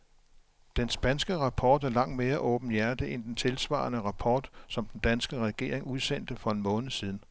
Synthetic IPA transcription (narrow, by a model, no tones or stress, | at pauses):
d̥ensb̥ænsɡ̥əʁɑ̈pʰɒːd̥æɐlɑ̈ŋ̰d̥me̝ːɐʔɔ̽ːb̥n̩jæɐd̥əʔend̥ent͡sʰe̝lsʋɑ̰̈ːnəʁɑ̈pʰɒ̰ːd̥sɒ̽md̥en̩d̥ænsɡ̥əʁɛɡ̥e̝̰ːɐ̰eŋuð̞ˠsen̰d̥əfɒ̽e̝nmɔ̽ːnð̩ˠsiːð̞ˠn̩